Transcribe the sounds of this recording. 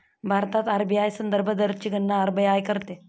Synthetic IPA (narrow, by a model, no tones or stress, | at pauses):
bʱaɾt̪at̪aɾbiajsənd̪əɾbʱəd̪əɾt͡ɕiɡənːaːɾbijajkəɾt̪e